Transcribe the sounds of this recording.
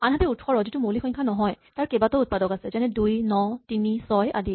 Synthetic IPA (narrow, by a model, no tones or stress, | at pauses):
anɦatɛutʰxɔɹɔzitumolixɔjŋkʰanɔɦɔjtaɹkebatɔut̚padɔkasɛzɛnɛdujnɔtinisɔja̰di